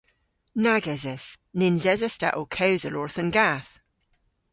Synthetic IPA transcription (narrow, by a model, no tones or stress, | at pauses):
naɡɛzɛsnɪnzɛzɛsta̰ʔokʰɛwzəlɔɹθənɡaθ